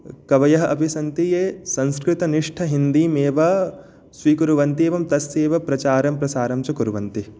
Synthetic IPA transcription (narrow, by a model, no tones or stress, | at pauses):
kɐʋɐjɐɦɐʔɐbʱisɐnt̪ijeːsɐ̃nskɾit̪ɐniʂʈʰɐɦind̪iːmeːʋɐ | sʋiːkuɾuʋɐnt̪eːʋɐmt̪ɐsːeːʋɐpɾɐt͡ʃaːɾɐmpɾɐsaːɾɐmt͡ʃukuɾuʋɐnt̪i